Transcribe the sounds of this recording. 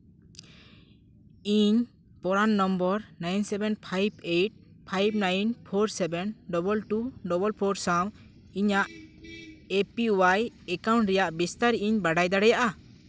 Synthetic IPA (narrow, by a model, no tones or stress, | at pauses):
iɲ | pɔɾanːɔmbɔɾnajnsɛbɛnpʰajbejʈ̚ | pʰajb̚najnpʰoɾsɛbɛnɖɔbɔlʈuɖɔbɔlpʰɔɾsãw | iɲaʔ | epiuwajɛkaw̃ɳʈɾɛjaʔbist̪aɾʔiɲbaɖajd̪aɽɛjaʔa